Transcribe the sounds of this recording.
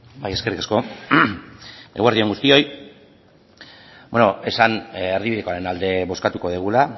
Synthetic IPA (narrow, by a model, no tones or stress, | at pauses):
bajeske̞rikasko̞ | eɣaɾðioŋɡust̪io̞j | beno̞e̞saneɾðiβiðeko̞aɾe̞nald̪e̞βo̞skat̪uko̞ð̞iɣ̞ula